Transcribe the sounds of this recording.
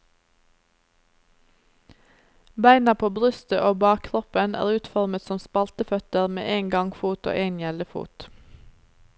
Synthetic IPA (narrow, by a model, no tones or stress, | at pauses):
bæɪnɑpʰoːbʁʏst̪əʔoːbɑːkkʰʁɔpənæ̰ːʁʉːt̪fɔʁmət̪sɔmspɑlt̪əfœt̪əʁmḛːʔeːŋɡɑŋfuːt̪o̰ːʔeɪnjɛləfṵːt̪